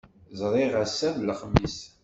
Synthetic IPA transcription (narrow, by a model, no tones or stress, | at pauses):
zˤɾˤiʁəsːævləχəmːis